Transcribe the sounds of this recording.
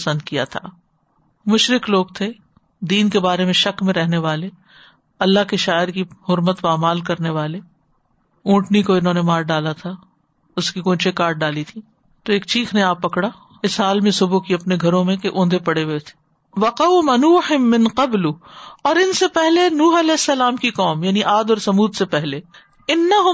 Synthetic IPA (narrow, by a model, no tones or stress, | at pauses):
ɐsə̃nd̪kija̰t̪ʰa̰ː | mʊʃɾɪkloːɡ̚t̪ʰe | d̪iːnkebaːɾemẽʃɐkmẽɾɛɦneʋaːle | ɐlːaɦkiʃaːɪɾkiɦʊɾmət̪ʋaːmaːlkɐɾneʋaːle | ũːʈnikoɪnɦõːnemaːɾɖaːlat̪ʰa | ʊskikõːt͡ʃekaːɾʈ̚ɖaːlit̪ʰiː | t̪oeːkt͡ʃiːxʰneaːpːɐkɽa | ɪsɦaːlmẽsʊbukiɐpneɡʱɐɾõmẽkeʔõːnd̪ʱepɐɽeɦet̪ʰe̥ | ʋɐqɐwmɐnuːħɪmːɪ̃nqɐblʊɔːɾɪnsepɛɦlenuːɦɐlɛːɪsːɐlaːmkiqɔːmjaːniʔaːd̪ɔːɾsɐmuːd̪sepɛɦle | ɪnːɐɦʊ